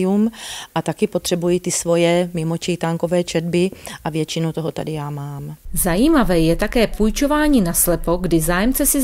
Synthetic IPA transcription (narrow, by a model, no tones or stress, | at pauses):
jumʔat̪akɪpot̪r̥ɛbujit̪ɪsvo̞jɛmɪmo̞t͡ʃɛjt̪aːŋko̞vɛːt͡ʃɛd̪bɪʔavjɛt͡ʃɪnowt̪oɦot̪a̰dɪjaːmaːmzajiːmavɛjɛt̪akɛːpujt͡ʃo̞vaːɲiːnaslɛpo̞ɡdɪzaːjɛmt͡sɛsɪ